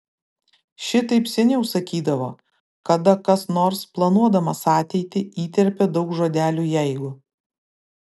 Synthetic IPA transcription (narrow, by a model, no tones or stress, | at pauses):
ʃʲɪt̪ɐɪpsʲɛnʲɛʊsɐkʲiːd̪ɐʋo̰ː | kɐd̪ɐkɐsnoːɾsplˠɐnuɔd̪ɐmɐsɑːt̪ʲɛɪt̪ʲɪiːt̪ʲɛɾʲpʲɛd̪ɒʊkʒoːd̪ʲæːlʲuːjɛɪɡʊ